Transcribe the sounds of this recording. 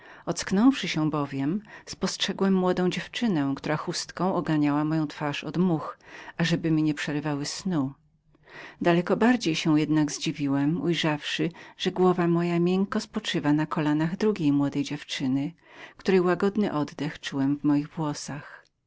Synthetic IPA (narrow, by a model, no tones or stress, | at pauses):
ɔt̪sknɔ̃w̃fʂɘɕɛbɔvʲjɛmspɔstʂɛɡwɛmːwɔd̪ɔ̃w̃d͡ʑɛft͡ʂɘnɛ̃kt̪uɾaxust̪kɔ̃w̃ʔɔɡaɲawamɔjɔ̃w̃t̪faʂɔ̰d̪muxaʐɛbɘmʲiɲɛpʂɛɾɘvawɘsnu | d̪alɛkɔbaɾd͡ʑejɕɛw̃jɛd̪naɡzd͡ʑivʲiwɛmujʐafʂɘʐ̥ɛɡwɔvamɔjamʲjɛŋkɔspɔt͡ʂɘvanakɔlanaɣd̪ɾuɡʲejmwɔd̪ɛjd͡ʑɛft͡ʂɘnɘ | kt̪uɾɛjwaɡɔd̪nɘʔɔd̪d̪ɛxt͡ʂuwɛmvmɔjiɣvwɔsax